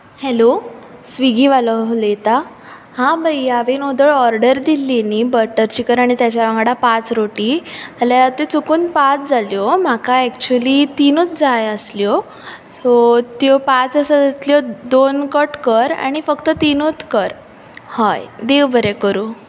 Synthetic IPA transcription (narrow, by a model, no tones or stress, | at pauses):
hɛlo | sʋiɡiʋalɔlet̪a | hãbʱajaʋenod̪əɭɔɾɖəɾd̪ilːiniːbəɾʈəɾt͡ɕikəɾaɽ̃it̪jat͡ɕjaʋãŋɡɽapat͡sɾoʈiəljat̪et͡sukuːnpat͡sd͡zaljɔm̤akaɛkt͡ɕuəlit̪inut͡s̪̚d͡zajəsljɔ | sot̪jopat͡səsəd͡zat̪ljɔd̪onkəʈkəɾa̰ɽ̃ifəkt̪ət̪inut̪kəɾ | hajd̪eʋbəɾekəɾuː